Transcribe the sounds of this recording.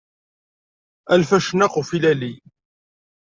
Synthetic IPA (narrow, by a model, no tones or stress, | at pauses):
ælfæʃnaqofilæli